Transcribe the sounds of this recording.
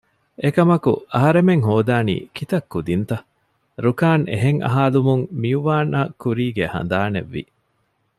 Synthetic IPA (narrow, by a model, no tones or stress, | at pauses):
ekɐmɐkṵɐɦɐɾemeŋɦoːd̪aːnḭːkit̪ɐkːud̪int̪ɐ | ɾukaːnḛɦeŋʔɐ̰ɦaːlumuŋmiuʋaːnʔakuɾiːɡehɐ̰nd̪aːnḛʋːḭ